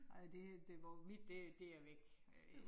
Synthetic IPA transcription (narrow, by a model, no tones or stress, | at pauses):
ɑɪd̥e̝hæd̥e̝ʋɑmid̥ːed̥eɐʋeɡ̥